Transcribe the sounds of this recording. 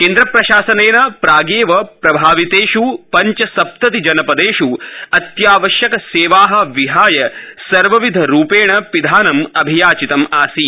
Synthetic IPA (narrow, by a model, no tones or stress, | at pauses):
keːnd̪ɾɐpɾɐʃaːsɐneːnɐpɾaːɡeːʋɐpɾɐbʱaːʋit̪eːʃupɐɲt͡ʃɐsɐp̚t̪ɐt̪id͡ʒɐnɐpɐd̪eːʃuɐt̪jaːʋɐʃjɐkɐseːʋaːɦɐʋiɦaːjɐsɐɾʋɐʋid̪ʱɐɾuːpeːɳɐpid̪ʱaːnɐmɐbʱijaːt͡ʃit̪ɐmaːsi